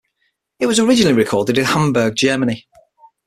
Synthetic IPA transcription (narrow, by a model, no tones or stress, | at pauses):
ɪʔwɒzəɹɪd͡ʒɪnəlɪɹɪkʰɔːdɪdɪ̃nhãmbəːɡ̚d͡ʒɜːmənɪ